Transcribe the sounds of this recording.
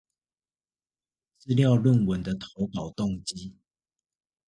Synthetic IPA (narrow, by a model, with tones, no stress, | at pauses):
t͡sɹ̩˥˧ljɑ˥˨ʊlwə˥˨nwə˨˦nd̪ə˨t̪ʰo˨˦ʊkɑ˨˩ʊt̪ɔ˥˨ŋt͡ɕi˦